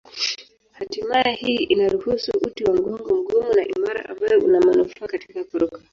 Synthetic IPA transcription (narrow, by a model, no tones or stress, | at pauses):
hatimajɛhiːinaɾuhusuʔutiwaŋɡɔŋɡɔm̩ɡumunaʔimaɾa̰ʔa̰mbaɛʔunamanuftakati̥kakuɾukḁ